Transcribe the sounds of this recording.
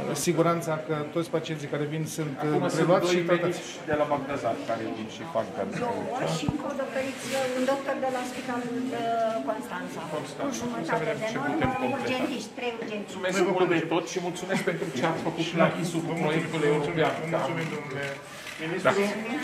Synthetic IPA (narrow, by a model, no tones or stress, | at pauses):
siɡuɾant̪sakət̪ot̪sʲpat͡ʃiensikaɾevinsɨnt̪upɾeluat̪ʃiat̪ə | id̪elabaɡd̪azat̪kaɾevinʃifaŋka̰no̰oʃiɨŋkod̪okt̪oɾit̪sʲɨnd̪ok̚t̪ord̪elaspit̪alulkonst̪ant̪sakonst̪aʒuməsaved̪emepuemoud͡ʒent̪iʃt̪ʲt̪ɾejud͡ʒensumesmuld̪et̪ot̪sʲʃimult̪sumesk̚pe̞nt̪ɾut͡ʃeamfəkut̪akisuput̪mojeskuleutsumamsumesd̪onule | minist̪aule